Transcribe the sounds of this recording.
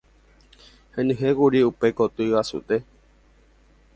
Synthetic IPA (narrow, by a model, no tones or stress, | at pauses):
hẽnɨ̃ɦekuɾiupe̞kot̪uiʋasṵt̪e̞